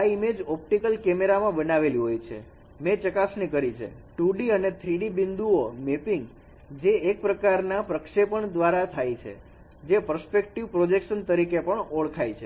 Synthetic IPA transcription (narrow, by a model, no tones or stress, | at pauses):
aimed͡ʒɔp̚ʈikəlkɛmeɾamãbənaʋeliɦojt͡ʃʰḛ | mẽt͡ʃəkasnikəɾit͡ʃʰḛ | ʈuɖiənet̪ʰɾiɖibind̪uomepiŋɡ | d͡ʒeek̚pɾəkaɾnapɾəkʃepəɳd̪ʋaɾat̪ʰajt͡ʃʰḛ | d͡ʒepəɾspek̚ʈiʋpɾod͡ʒekʃənt̪əɾikepəɳɔɭkʰajt͡ʃʰe